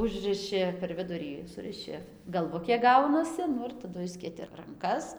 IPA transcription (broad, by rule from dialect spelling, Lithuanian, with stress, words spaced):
ˈʊʒrɨʃʲɪ pʲɛr ˈʋʲɪdʊrʲiː ˈsʊrʲɪʃʲɪ ɡɐlˠˈʋʊkʲeː ˈɡɐʊnɐsʲɪ ˈnʊ ɪr tɐˈdʊ ˈɪʃʲsʲkʲeːtʲɪ rɐŋˈkɐs